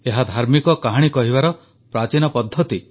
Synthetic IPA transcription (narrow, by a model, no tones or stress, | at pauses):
eɦad̪ʱaɾmikɔkaɦaɽ̃ikɔɦiβaɾɔ | pɾat͡ʃinɔpɔd̪ʱːɔt̪i